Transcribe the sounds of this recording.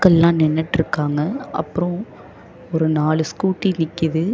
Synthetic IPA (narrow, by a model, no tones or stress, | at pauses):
kːɐɭlãːnɛnːɛʈːɪɾɯkːaːŋɡɐʔɐ̰pːɯɾõ | ɔɾɯnaːɭɯskuːʈːinɪkːɪðɯ